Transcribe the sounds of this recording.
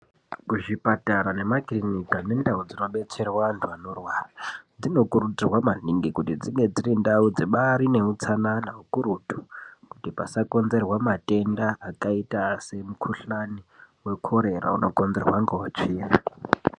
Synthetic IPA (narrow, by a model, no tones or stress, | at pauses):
kuʐipataɾane̞makrinikane̞ndaud͡zino̞ɓe̞t͡se̞rwantʰuanorwaːrad͡zino̞kuɾutirwamaniŋɡikutid͡ziŋɡe̞d͡zirindaud͡zeɓaɾine̞ut͡sananaukuɾutu̥kutipasako̞nze̞rwamate̞ndaʔːkaitase̞mukʰuɬaniwe̞kʰo̞ɾe̞ra̰ṵno̞ko̞nzerwaŋɡout͡ʃiːra